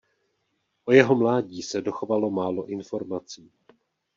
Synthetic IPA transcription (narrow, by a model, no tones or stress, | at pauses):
ʔo̞jɛɦo̞mlaːɟiːsɛdo̞xovalo̞maːlo̞ʔɪnfo̞ɾmat͡siː